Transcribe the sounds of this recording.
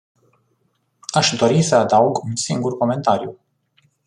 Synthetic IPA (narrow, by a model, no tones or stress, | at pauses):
aʃd̪o̞ɾisəad̪auɡunsiŋɡurko̞me̞nt̪aɾjṵ